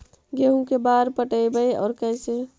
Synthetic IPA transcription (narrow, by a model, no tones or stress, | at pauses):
ɡeɦũkebaːɾpəʈəbəjɔ̰ːɾkəɪse